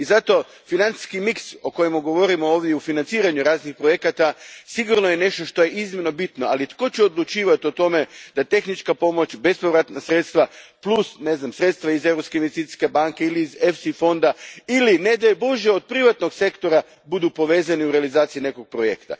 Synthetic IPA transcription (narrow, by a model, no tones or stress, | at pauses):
izat̪o̞ | finant̪si̥skimikso̞ko̞jemaɡo̞ʋo̞ɾimooːʋd̪jeufinant̪siːɾaɲuɾaːznixpɾoje̞kat̪asiɡuɾnojene̞ʃt̪o̞ʃt̪o̞je̞ʔizmʲeno̞bit̪no̞alit̪ko̞t͡ɕɛod̪lut͡ʃiːʋat̪io̞t̪o̞me̞d̪at̪e̞xnit͡ʃkapo̞mo̞t͡ɕbe̞spoʋɾat̪nasɾe̞t̪st̪ʋaplˠusne̞znamsɾe̞t̪st̪ʋaize̞ʋɾo̞pskeinʋest̪it̪i̥ske̞baŋke̞iliːzefsifo̞nd̪ailined̪aeboʒeod̪̚pɾiʋat̪no̞ɡse̞kt̪o̞ɾa | bud̪upo̞ʋe̞ːzaniuɾealizaːt̪sijine̞ko̞ɡ̚pɾojḛkt̪a̰